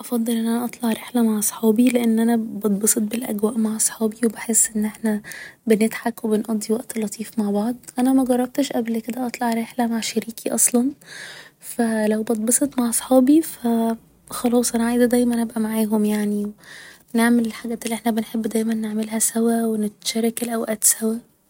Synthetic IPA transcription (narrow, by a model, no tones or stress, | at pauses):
ʔɑfɑd̪ˤːelʔenʔænæʔɑt̪ˤlɑʕɾeħlæmaʕʔɑsˤħɑːbileʔenːʔænæbɑd̪̚ˤbɑsˤet̪̚belʔæ̰ɡwæːʔmaʕʔɑsˤħɑːbiwebeħesːʔenːʔeħnæbenet̪ħakwebenʔɑd̪ˤːiwæʔt̪lːɑt̪ˤiːfmaʕbɑʕd̪ˤʔænæmæɡɑrˤːɑb̚t̪eʃʔæblked̪æʔɑt̪ˤlɑʕɾeħlæmaʕʃæɾiːkiʔɑsˤlɑn | fælæwbɑt̪̚ˤbɑsˤet̪maʕɑsˤħɑːbifæ | xɑlɑːsˤʔænæʕaijzæd̪æjmænʔæbʔæmaʕaːɦomjaʕniw | neʕmelelħaɡæːt̪ʔelːiʔeħnæbenħebːd̪æjmænːeʕmelɦæsæwæwenet̪ʃæːɾˤɑkelʔæwʔæːt̪sæwæ